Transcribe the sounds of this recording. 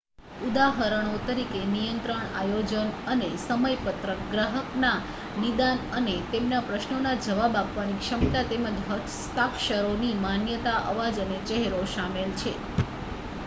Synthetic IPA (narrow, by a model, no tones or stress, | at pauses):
ud̪aɦəɾəɽ̃ot̪əɾikenijənt̪ɾəɳa̰jod͡ʒənənesəməjpət̪ɾəɡɾaɦəkna | nid̪anənet̪emnapɾəʃnonad͡ʒəʋabapʋanikʃəmt̪at̪eməd͡ʒɦə | st̪akʃəɾonimanjət̪aʔə̰ʋad͡ʒənet͡ʃɛɦɾoʃamelt͡ʃʰe